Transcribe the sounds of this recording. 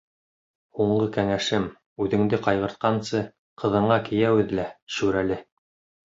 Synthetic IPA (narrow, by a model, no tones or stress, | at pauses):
huɴlɤkæŋæʃɘm | ʉðɘ̆ŋd̪ɘqɑjʁɤ̆ɾt̪̚qɑnsɤ | qɤ̆ðɤ̆ɴɢɑkɘ̆jæwɘðlæʃʉɾælɘ